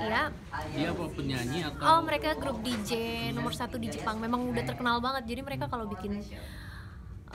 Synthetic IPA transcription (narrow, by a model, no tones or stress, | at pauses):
ja | diapapəɲaɲiakaaməɾekaɡɾʊp̚did͡ʒenɔmərsat̪udid͡ʒəpaŋmemaŋudaht̪ərkənalbaŋət̪̚d͡ʒadiməɾekakalobikɪn